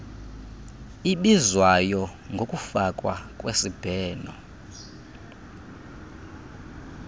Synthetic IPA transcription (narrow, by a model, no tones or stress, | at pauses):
iɓizwajɔ | ŋɡʱokʼufakʼwakʼwesib̥ʱɛːnɔ